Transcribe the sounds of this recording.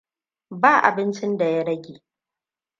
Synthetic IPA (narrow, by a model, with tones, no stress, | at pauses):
baː˦˨ʔa̰˨bɪ˦nt͡ʃɪ˦nda˨ja˦ɽɐ˦ɡʲeː˨